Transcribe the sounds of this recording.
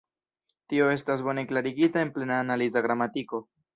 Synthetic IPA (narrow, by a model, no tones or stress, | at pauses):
tio̞e̞stasbo̞ne̞klaɾiɡitae̞nple̞naːnalizaɡɾamatiko̞